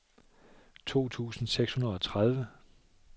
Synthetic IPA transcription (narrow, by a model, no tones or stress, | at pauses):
t͡sʰo̝̰ːt͡sʰṵːsn̩seɡ̥shunɐð̞ˠɒ̽t͡sʰʁað̞ˠʋə